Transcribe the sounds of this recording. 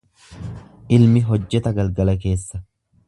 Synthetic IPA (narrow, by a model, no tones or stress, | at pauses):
ʔɪlmɪɦɔd͡ʒːɛt̪ɐɡɐlɡɐlɐk̬e̞ːsːɐ